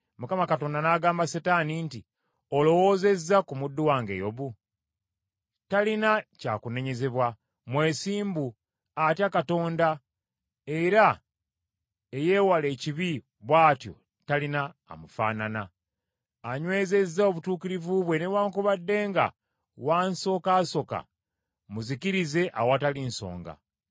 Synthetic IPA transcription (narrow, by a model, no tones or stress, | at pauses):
mukamakato̞ːndanaːɡaːmbasetaːninti | olo̞wo̞ːze̞zːakumudːuwaːŋɡe̞̰jo̞βu | talinaca̰ːkune̞ɲe̞ze̞βwa | mwe̞ːsiːmbu | atjakato̞ːnda | e̞ɾa | eje̞ːwale̞ciβi | βwaːtjo̞̰ | talina̰ːmufa̰ːnanaː | ɲwe̞ːze̞zːaoβutuːkiɾivuβwe̞ne̞βwaːŋkuβadːe̞ːŋɡa̰ | waːnso̞ːkaːso̞ka̰ | muziciɾize̞ʔa̰watalinso̞̰ːŋɡa̰